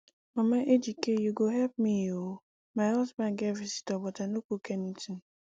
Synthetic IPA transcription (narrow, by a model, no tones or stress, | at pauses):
mamaʔed͡ʒikejuɡoɦɛlp̚mio | maɔsbaɡɛvisi̥tɔbɔtanokukeniti